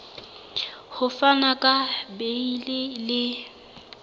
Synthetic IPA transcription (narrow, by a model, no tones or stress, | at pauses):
hʊfanakʼabeilɪlɪ